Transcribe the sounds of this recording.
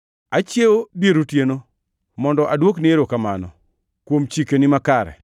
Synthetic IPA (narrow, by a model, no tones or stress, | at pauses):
at͡ʃjewobeɾotjeno | mɔndɔʔadwoknɪeɾokamanɔ̰ | kwomt͡ʃikenɪmakaɾɛ̰